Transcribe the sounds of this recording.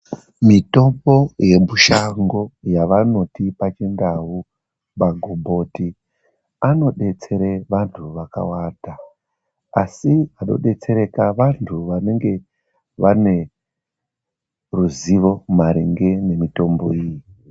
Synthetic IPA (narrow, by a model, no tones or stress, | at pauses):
mito̞mbo̞je̞muʃaŋɡo̞jaʋano̞tipat͡ʃendawu | baɡʱobo̞ːti | ano̞ɗe̞t͡se̞ɾeʋantʰuʋaka̰waːda | asiɦaɗo̞̰ɗe̞t͡se̞ɾe̞kaʋantʰuʋane̞ŋɡe̞ | ʋane̞ | ruziʋo̞maɾeŋɡe̞ne̞mito̞mbo̞iji